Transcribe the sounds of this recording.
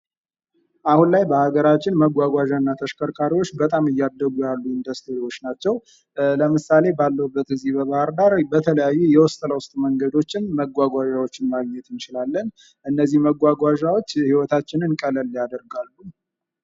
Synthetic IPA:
ʔahunlajbəhaɡəɾat͡ʃːɪnməɡʷaɡʷaʒanːat̪ʰəʃkʰəɾkʰaɾiwot͡ʃːbət̪ʼamɨjːad̪əɡujalːuɪnd̪əst̪iɾiwo̞t͡ʃːnat͡ʃːɛw | ləmɨsale̞balːəwubːət̪ɨzːihbəβahɨɾd̪aɾbət̪ʰələjajːujɛwɔst̪ʼələwʊst̪ʼməŋɡəd̪o̞t͡ʃːɪnməɡʷaɡʷaʒawot͡ʃːɪnmaɡɲɛt̪ʰɨnt͡ʃɪlalːən | ʔɨnːəzːihməɡʷaɡʷaʒawo̞t͡ʃːhiwɔt̪ʰat͡ʃːɪnɨnkʼələlːjad̪əɾɡalːu

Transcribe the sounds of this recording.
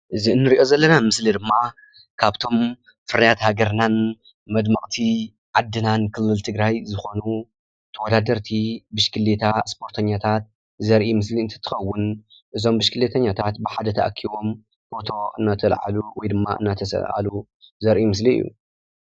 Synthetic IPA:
ʔɨziɨnːɨɾiʔo̞zɐlːɐnamɨslid̪ɨmːa | kʰaβt̪ʰo̞m | fɨɾijat̪haɡɐɾnan | mɐd̪mɐχʼt̪ʰi | ʕad̪ːɨnankʰɨlːɨlt̪ʰɨɡɾajzɨxo̞nu | t̪ʰɐwɔd̪ad̪ɐɾt̪ʰibɨʃkʰɨlːet̪ʰaspʰo̞ɾt̪ʰɐɲːat̪ʰat̪̚ | zɐɾʔimɨs̬liɨnt̪ʰɐ̥t̪ʰːɨ̥xɐwːʊn | ʔɨzo̞mbɨʃkʰɨlːet̪ʰɐɲːat̪ʰat̪bɨħad̪ɐt̪ʰɐʔa̰kʰːiβo̞m | fo̞t̪ʰo̞ʔɨ̰nːat̪ʰɐlʕa̰luwɔjd̪ɨmːa̰ʔɨ̰nːat̪ʰɐsɐ̰lʕa̰lu | zɐɾʔimɨs̬liɨ̰jːṵ

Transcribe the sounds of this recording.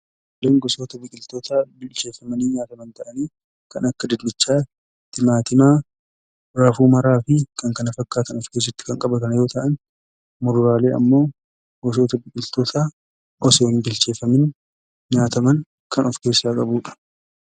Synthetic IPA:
lɛŋɡɔso̞ːt̪ɐbɪkʼɪlt̪oːt̪ʰaːbɪlt͡ʃe̞ːfːɐmɐniːɲaːt̪ɐmɐnt̪ɐʔɐniː | kɐnɐkːɐd̪ɪd̪mɪt͡ʃːaː | t̪ɪmaːt̪ɪmaː | ɾɐfuːmɐɾaːfɪkʰɐŋkɐnɐfɐkːaːt̪ɐnɔfkeːs̬ɪt̪ːɪ̥kɐŋkʼɐbɐt̪ɐnɐjo̞ːt̪ɐʔɐn | mʊɾʊɾaːle̞ːɐ̰mːo̞ː | ɡɔs̬oːt̪ɐbɪkʼɪlt̪oːt̪ʰaː | ʔɔsoːnbɪlt͡ʃe̞ːfɐmɪn | ɲaːt̪ɐmɐŋ | kʰɐnɔfke̞ːsaːkʼɐbuːᶑɐ̥

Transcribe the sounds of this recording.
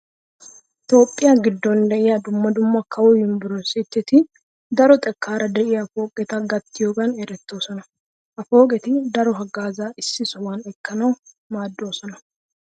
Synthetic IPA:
t̪o̞ːpʼːɪjɐɡɪd̪ːɔnd̪ɛʔɪjɐd̪ʊmːɐd̪ʊmːɐkʰɐwɔjɪmbʊɾɔsɪt̪ːɛt̪ɪ | d̪ɐɾɔt̪ʼɛkʰːaːɾɐd̪ɛʔɪjɐfo̞ːkʼɛt̪ɐɡɐt̪ːɪjoːɡɐnɛɾɛt̪ːo̞ːsɔnɐ | ʔɐfo̞ːkʼɛt̪ɪd̪ɐɾɔɦɐɡaːzaʔɪsːɪsɔwɐnɛkʰːɐnɐw | maːd̪ːo̞ːsɔnɐ

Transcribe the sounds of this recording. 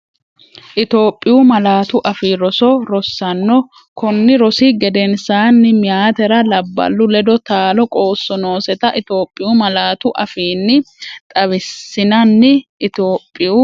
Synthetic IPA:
ʔɪt̪o̞ːpʼːɪjumɐlaːt̪ʊʔɐfiːɾɔsɔɾɔsːɐnːɔ | kɔnːɪɾɔsɪɡɛd̪ɛnsaːnːɪmɪjaːt̪ɛɾɐlɐbːɐ̰lːʊlɛd̪ɔt̪aːlɔkʼo̞ːsːɔno̞ːsɛt̪ɐʔɪt̪o̞ːpʼːɪjumɐlaːt̪ʊʔɐfiːnːɪt̪ʼɐβɪsːɪnɐnːɪʔɪt̪oːpʼːɪju

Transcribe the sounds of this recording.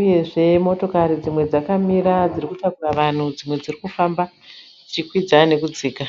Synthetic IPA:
uje̞ʐe̞mo̞to̞kaɾid͡zimwe̞d͡zakamiɾad͡zirikutakuraʋan̤ud͡zimwe̞d͡zirikufamba | d͡zit͡ʃikwid͡zane̞kud͡ziːka

